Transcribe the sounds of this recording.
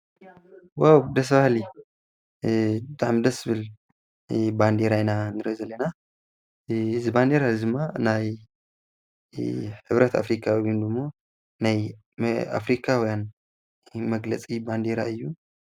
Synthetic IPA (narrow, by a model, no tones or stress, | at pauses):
wawd̪ɐs̬bahli | d̪aʕmd̪ɐsɨβɨl | band̪eɾajnanɨɾɐzɐlːɐna | ɨzɨband̪eɾad̪ɨmːanaj | ħɨβɾɐt̪ʰa̰fɾikʰawwind̪ɨmːo̞ | naj | a̰fɾikʰawɔjan | mɐɡlɐt͡sʼiband̪eɾaɨjːu